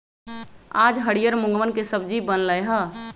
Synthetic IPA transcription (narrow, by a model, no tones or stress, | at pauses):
ad͡ʒɦəɽijəɾmuŋɡmənkesəbd͡ʒibənləjɦə